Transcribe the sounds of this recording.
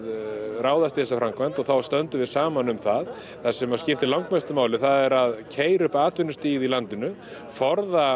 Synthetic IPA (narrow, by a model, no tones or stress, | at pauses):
raːwðast̪iθɛsafɾamkvant̪ɔɣθawst̪œnt̪ʏvɪðsaːmanʏmθað | θasɛmascɪft̪ɪlawŋkmast̪ʏmaːwlɪθaðɛɾaðcʰeːjɾʏhpaːt̪vɪnːʏst̪iːɣɪðilant̪ɪnʏ | fɔɾða